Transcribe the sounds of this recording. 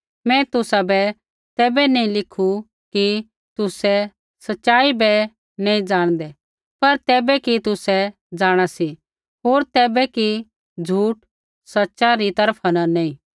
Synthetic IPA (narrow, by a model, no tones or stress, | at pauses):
mɛ̃t̪ʊsabɛ | t̪ɛːbɛneĩlɪkʰu | ki | t̪ʊsɛ | sɐtːʃaːibɛ | nẽːĩd͡zaːɽ̃d̪ɛ | pɐɾt̪ɛːbɛkit̪ʊsɛ | d͡zaːɽ̃asi | ɦoːɾt̪ɛːbɛki | d͡zʱuːʈ | sɐtːʃaɾit̪ɐɾpʰanãnẽːĩː